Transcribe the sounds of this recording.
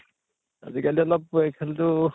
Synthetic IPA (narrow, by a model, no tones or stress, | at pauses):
a̰zikaliɔlɔp̚ɛjkʰaltʊ